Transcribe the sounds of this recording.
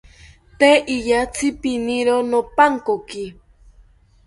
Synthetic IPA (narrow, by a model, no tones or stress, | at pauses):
t̪eʔiʎat͡sʰɪpiniɾonopaŋkoki